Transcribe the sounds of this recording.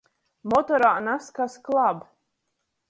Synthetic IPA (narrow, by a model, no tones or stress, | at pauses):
mɔt̪ɔɾanaskasklˠab